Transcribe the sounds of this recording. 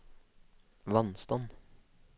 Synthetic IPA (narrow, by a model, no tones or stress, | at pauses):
ʋɑnst̪ɑn